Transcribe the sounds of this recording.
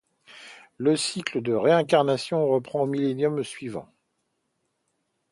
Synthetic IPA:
ləsikləd̪əʁeɛ̃kaʁnasjɔ̃ʁəpχɑ̃omilenjɔmsɥivɑ̰̃

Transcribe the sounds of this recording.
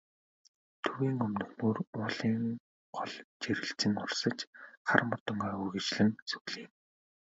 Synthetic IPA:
t̪ʰɵɣiːŋɵmnɵ̆xmuːrʊːɮiːŋ | ɢɔɮt͡ɕeɾɘ̆ɬt͡sɘ̆ŋʊrsə̆t͡ɕχarmɔt̪ɞ̆ŋɡaːujɣĕt͡ɕɮɘ̆ŋt͡sɵɣɮiːm

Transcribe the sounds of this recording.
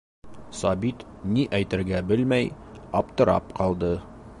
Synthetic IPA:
sɑbit̪niʔæjt̪ɘ̆ɾɡæbɘlmæjɑp̚t̪ɤ̆ɾɑ̰p̚qɑlˠd̪ɤ

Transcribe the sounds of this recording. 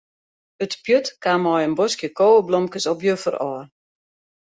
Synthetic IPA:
ətpjøtkamɔjənbɔskjəkoːəblɔmkəsɔpjøfərɔːr

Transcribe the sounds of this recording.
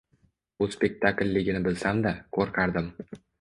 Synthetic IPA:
bʊspʲe̞k̚ʲt̪ʰakʲlʲːɪɡʲɪnɪbɪlsamd̪akʰoɾqʰaɾd̪ɪm

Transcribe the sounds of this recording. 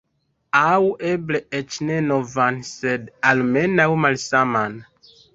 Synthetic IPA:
awʔebleɛt͡ʃnenovansɛdalmɛnawmalsaman

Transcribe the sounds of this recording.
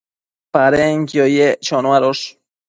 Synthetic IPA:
paɾeŋkjojet͡ʃonwaɾoʃ

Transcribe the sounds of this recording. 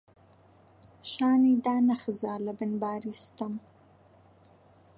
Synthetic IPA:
ʃɑːnid̪ɑːnaxzɑːlabɪnbɑːɾist̪əm

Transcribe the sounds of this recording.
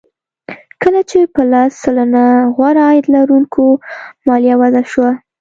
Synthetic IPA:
kəlat͡ʃepəlɑsːəlanaɣwaɾaɑjɪd̪laɾuŋkʰomɑlijawazaʃwa

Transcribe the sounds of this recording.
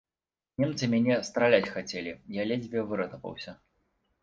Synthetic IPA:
nʲɛmt̪sɨmʲanʲɛst̪ɾalʲat͡sʲxat͡sʲelʲijalʲezʲvʲɛvɨɾɐt̪ɐpɐ̰wsʲɐ

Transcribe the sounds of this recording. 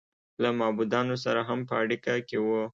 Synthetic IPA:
lamɑbud̪ɑnos̬aɾaɦampəaɽikakewu

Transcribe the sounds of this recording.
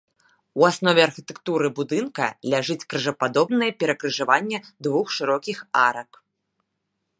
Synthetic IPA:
uasnɔvʲɛarxʲit̪ɛkt̪uɾɨbud̪ɨnkɐ̰lʲaʐɨt͡sʲkɾɨʐɐpad̪ɔbnɨjɐpʲɛɾɐkɾɨʐavanʲːɛd̪vuxʂɨɾɔkʲixaɾɐk

